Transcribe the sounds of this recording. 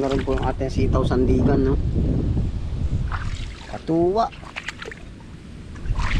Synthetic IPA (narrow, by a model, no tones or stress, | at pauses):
kaɾanpuŋa̰t̪ɛsit̪ausand̪iɡanːo | kat̪uwaʔ